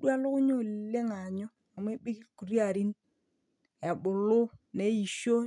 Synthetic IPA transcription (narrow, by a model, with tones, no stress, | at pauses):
ɗwa˦lʊ˦kʊ˦ɲo˦˨lle˦ŋa˨ɲɔ˦ | a˨m˦e˦bɪ˦ki˦ku˨ɾi˦a˨ɾi˦n | ɛ˨bʊ˨lʊ˦ne˨˦i˨ʃo˦